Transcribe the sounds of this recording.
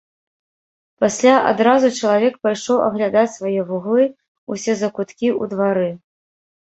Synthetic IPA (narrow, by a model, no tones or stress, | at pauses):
pasʲlʲaʔa̰d̪ɾazut͡ʂɐlˠavʲɛk̚pajʂɔwɐ̰ɣlʲad̪at͡sʲsvajɛvuɣlˠɨ | usʲɛzɐkut̪kʲiud̪vaɾɨ